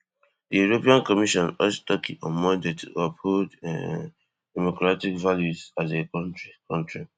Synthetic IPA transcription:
dijuɹopiãnkɔmiʃɔ̃nɔt͡ʃtɔkʰiʔɔ̃nmɔ̃ndetʰṵɔphod | d̥ɛmokɹatikvaljuzatekɔ̃ntɹikʰɔ̃ntɹi

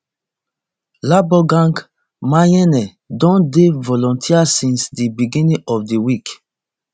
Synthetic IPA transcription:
labɔɡãŋɡ | majɛnɛ | dɔ̃ndevɔlɔ̃ntʰiasĩnsdibiɡĩnĩʔɔfdiwik

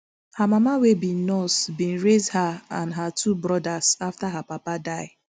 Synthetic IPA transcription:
hamamawebinɔsbĩn̩ɾezdhaãnɦatʰubɾɔdasaftaɦapapadaɪ

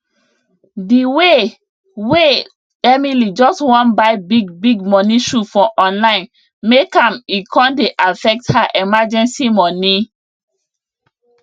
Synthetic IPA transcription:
diwe | we | ɛmilid͡ʒɔstwɔ̃nbaɪbiɡbiɡmɔniʃufɔʔɔ̃nlãɪ̃n | mekãmikʰɔ̃ndeʔafɛk̚thaʔɛmad͡ʒɛ̃nsimɔni

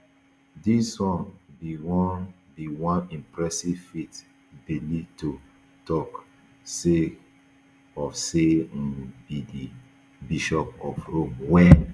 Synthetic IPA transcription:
diswɔ̃nbiwɔn | biwɔ̃nĩmpɹɛsivfit | bilito | tɔk | se | ɔfse | bidi | biʃɔpɔfhomwɛn

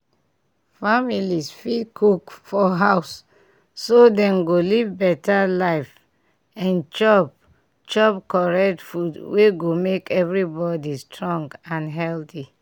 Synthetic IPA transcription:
familisfidkʰukfɔɦaʊsː | odɛ̃mɡolivbɛtalaɪf | ãnt͡ʃɔp̚ | t͡ʃɔpkɔɹɛk̚tfudweɡomekɛvɹibɔdistɹɔ̃ŋɡãnɦɛlθi

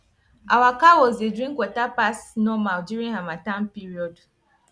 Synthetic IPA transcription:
ʔawakawɔzedɹĩŋkwɔtapasnɔmaldjuɹĩŋhamatãnpiɹiɔd

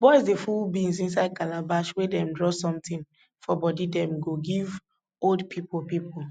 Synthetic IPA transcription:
bɔizdefulbĩŋsĩns̬aɪd̚kalabaʃwedɛ̃mdɹɔsɔ̃mtĩn | fɔbɔdidɛ̃mɡoɡiv | oldpʰipʰolpipol

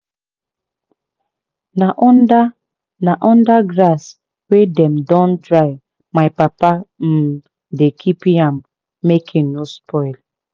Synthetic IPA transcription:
naʔɔnda | naʔɔ̃ndaɡɾas | wedɛmdɔ̃ndɾaɪ | maɪpapam̩ | dekʰipiãm | mekʰiŋnospɔɪl

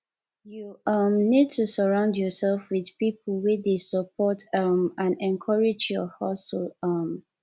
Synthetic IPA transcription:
juʌmnid̚tʰusəɹãʊ̃ndjɔsɛlfwiðpipʰəl̩wedesəpʰɔtʌmãnɛ̃nkʰʌɹɪd͡ʒjɔhɔsoʌm

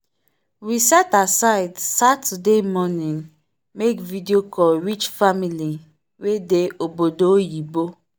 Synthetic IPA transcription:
wisɛtasaɪdsatudemɔnĩŋ | mekvidiokʰɔlwit͡ʃfamili | wedeobodojibo

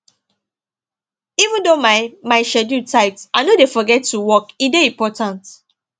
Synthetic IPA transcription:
ivũndomamaɪʃɛdutʰaɪtaɪnodefɔɡɛtːuwɔkideĩmpɔtãnt

